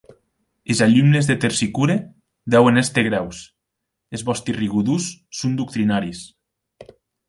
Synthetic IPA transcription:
ezaʎumnezðet̪eɾsikuɾe | d̪ɛwenest̪eɣɾɛws | ezβɔst̪iriɣuðusːund̪uk̚t̪ɾinaɾis

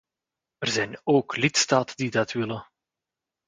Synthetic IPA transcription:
ərzɛjnoːklɪtstaːtədidɑtʋɪlə

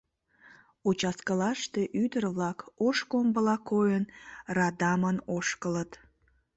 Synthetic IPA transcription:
ut͡ʃɑskəlɑʃt̪eʔyd̪ərβlɑkoʃkombəlɑkojənrɑd̪ɑmənoʃkələt̪

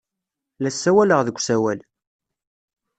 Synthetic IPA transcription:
læsːæwæləʁðəɡʷsæwæl

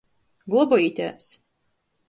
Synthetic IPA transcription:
ɡlˠɔbɔit̪ʲæ̰ːs

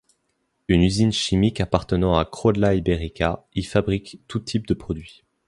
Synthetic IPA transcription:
ynyzinʃimikapaʁt̪ənɑ̃akχɔd̪laibeʁikʲaifabʁikt̪ut̪ʰip̚d̪əpχɔd̪ɥi

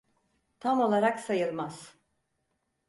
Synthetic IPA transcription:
t̪ʰamo̞lˠaɾaksajɯɾmaz̥

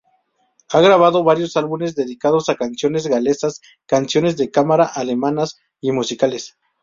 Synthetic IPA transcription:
aɣɾaβ̞aðo̞βaɾjo̞salβune̞zðe̞ðikaðo̞sakansjo̞ne̞zɣale̞sas | kansjo̞ne̞zðe̞kamaɾaʔale̞manas | imusikale̞s

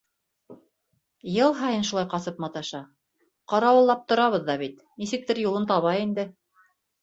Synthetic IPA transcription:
jɤlˠɦɑjɤnʃulˠɑjqɑsɤpmɑt̪ɑʃɑ | qɑɾɑwɤ̆lˠːɑp̚t̪ŏɾɑβɤ̆ðːɑβit̪ | nisɘ̆k̚t̪ɘɾjulˠɤnt̪ɑβɑjind̪ɘ

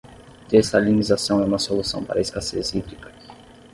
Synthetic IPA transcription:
d̪̥ɛsɐalimizasɐ̃w̃ɛũmɐsolusɐ̃w̃pa̰ɾɐiskasḛzid̪ɾikɐ

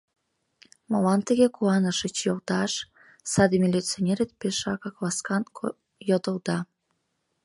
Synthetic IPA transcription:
molɑnt̪əɣekuɑnəʃət͡ɕjolt̪ɑʃ | sɑd̪imʲilʲit͡sonʲeɾet̪̚peʃɑkɑklɑskɑn | jod̪əld̪ɑ

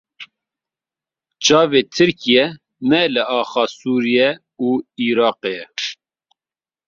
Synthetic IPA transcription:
t͡ʃɑːveːt̪ʰɨɾkijɛ | nɛlɨʔɑːxɑːsuːɾijɛ | uːiːɾɑːqeːjɛ

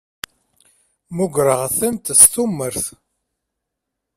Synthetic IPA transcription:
mʊɡʷɾəʁθæmt̪sθumːəɾθ

